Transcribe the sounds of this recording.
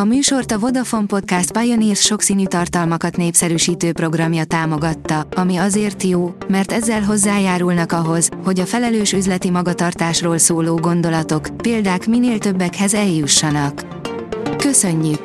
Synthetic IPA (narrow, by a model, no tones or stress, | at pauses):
ɒmyːʃo̞rt̪ɒvo̞d̪ɒfo̞mpo̞t̪̚kast̪̚pɒjoniːrsʃo̞ksiːnyːt̪ɒrt̪ɒlmɒkɒt̪neːpsɛɾyːʃiːt̪øːpro̞ɡrɒmjɒt̪aːmo̞ɡɒt̪ːɒɒmiɒzeːrt̪joːmɛrt̪ɛzːɛlɦo̞zːaːjaːɾulnɒkɒɦo̞zho̞ɟɒfɛlɛløːʃyzlɛt̪imɒɡɒt̪ɒrt̪aːʃroːlsoːloːɡo̞n̪d̪o̞lɒt̪o̞kpeːld̪aːkmineːlt̪ø̞bːɛkhɛzɛljuʃːɒnɒkː | ø̞sø̞ɲːyk